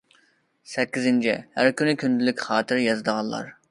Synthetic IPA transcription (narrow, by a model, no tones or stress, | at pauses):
sɛkʲːizɪnt͡ʃʰḭhæɾkʲynɪkʲʰynd̪ɪlɪkʲχɑːt̪ʰɪɾjɑzd̪əʁɑnːˠɑ̰ɾ